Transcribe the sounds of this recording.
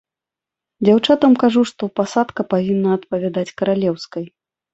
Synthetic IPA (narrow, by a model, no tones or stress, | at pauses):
d͡zʲawt͡ʂat̪ɐmkaʐuʂt̪ɔpasat̪kɐpavʲinːɐːt̪pɐvʲad̪at͡sʲkɐɾalʲɛwskɐj